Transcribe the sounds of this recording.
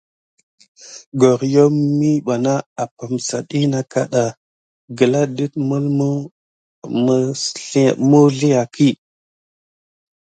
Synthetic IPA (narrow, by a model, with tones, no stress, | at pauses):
ɡo˨ɾjo˦mi˦ɓa˨na˦a˨pa˨msa˨ɗi˦na˦ka̰˦ɗa˨ | ɡə˨la˦ɗi˦t̚mu˦lmu˦ | m˦˨ | mu˦ɮi˦a˨kʰi˦˨